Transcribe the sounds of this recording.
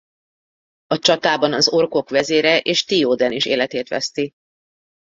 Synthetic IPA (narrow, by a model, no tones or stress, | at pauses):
ɒt͡ʃɒt̪aːbɒnɒzo̞rko̞kʋɛzeːɾɛʔeːʃt̪ioːd̪ɛniʃḛːlɛt̪eːt̪ʋɛ̰st̪i